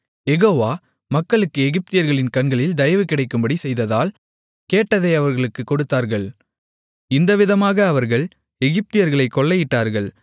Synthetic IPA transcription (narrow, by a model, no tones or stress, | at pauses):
ɛɣoːʋaː | mɐkːɐɭɯkːɯɛɣɪp̚t̪ɪjɐɾɣɐɭɪnkɐɳɡɐɭɪld̪ɐjɐʋɯkɪɽɐɪkːɯmbɐɽisɛjðɐðaːl | keːʈːɐðɐɪɐʋɐɾɣɐɭɯkːɯkːɔɽɯt̪ːaːɾɣɐɭ | ɪnd̪ɐʋɪðɐmaːɣɐːʋɐɾɣɐɭ | ɛɣɪp̚t̪ɪjɐɾɣɐɭɐɪkːɔɭːɐjɪʈːaːɾɣɐɭ